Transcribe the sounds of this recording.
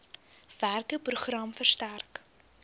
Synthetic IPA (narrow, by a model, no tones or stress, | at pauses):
v̥ærkəpruχrɐmfərstærk